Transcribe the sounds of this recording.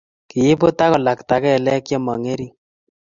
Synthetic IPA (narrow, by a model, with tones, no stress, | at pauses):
ki˨je˦bo˦ta˦kɔ˨la˨kta˨kɛ˦˨lɛ˦kjɔ˦mɔ˨ŋe˦ɾi˦˨